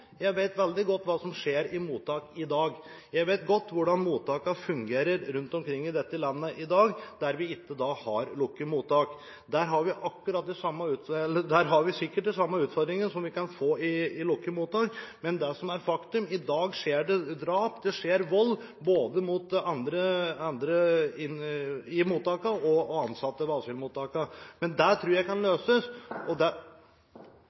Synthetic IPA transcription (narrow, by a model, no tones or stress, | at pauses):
jæɪʋeɪt̪ʋɛld̪ɪɡɔt̪ːʋɑːsɔmʂeːɾɪmuːt̪ʰːɑːkɪd̪ɑːɡjæɪʋeɪt̪ɡɔt̪ːʋʊɖɑnmuːt̪ʰɑːkɑfʉŋɡeːɾəɾɾʉnt̪ɔmkʰɾɪŋːɪd̪ɛt̪ːəlɑnːəʔɪd̪ɑːɡd̪æɾʋɪɪt̪ːəd̪ɑːhɑɾlʊkːəmuːt̪ɑːk | d̪æɾɦɑɾʋɪʔɑkːʉɾɑt̪̚d̪ɛsɑmːɑʉːt̪ɛlːəd̪æɾɦɑɾʋɪsɪkːəʈd̪ɪsɑmːɑʉːt̪fɔɾd̪ɾɪŋənsɔmʋɪkɑnfoːɪɪlʊkːəmuːt̪ɑːkmɛnd̪ɛsɔmæɾfɑkt̪ʉmɪd̪ɑːɡʂeːɖɛd̪ɾɑːpd̪ɛʂeːɾʋɔlː | boːd̪əmʊt̪ɑnd̪ɾəɑnd̪ɾəɪnɪmuːt̪ːɑːkəɾɔɑnsɑt̪ːəʋɑːsɪlmuːt̪ɑːkəmɛnd̪æʈ̪ʰɾuːɾjæɪkɑnløːsəsʔɔd̪ɛ